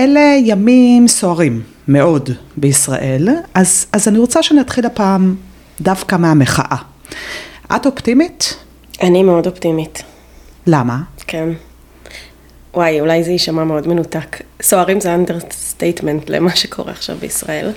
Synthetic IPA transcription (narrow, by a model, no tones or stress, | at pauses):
ʔele̞jamimso̞aʁimː | e̞o̞dbeisʁa̰ʔe̞lʔazazaniʁo̞t͡saʃeaniat̪χilapaːm | dafkameameχa̰ʔa | ʔa̰toptimit | ʔanimeodoptimit | lamakʰen | wajulajzeiʃamameo̞dmenutaksoaʁimzeandeʁstejtmentlḛmaʃekʰo̞̰ʁḛaχʃa̰vbeisʁa̰e̞̰l